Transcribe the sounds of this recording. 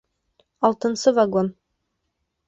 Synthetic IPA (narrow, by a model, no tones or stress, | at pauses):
ɒlˠt̪ɤ̆nsɤvaɡon